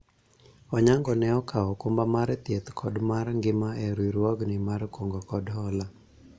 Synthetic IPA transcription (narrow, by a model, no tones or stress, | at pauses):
ɔɲaŋɡɔnɛɔkʰaɔkombamaɾt̪jet̪kʰɔdmarŋɡɪmaɛɾwiɾwɔɡnɪmaɾkwoŋɡɔkɔdɦɔla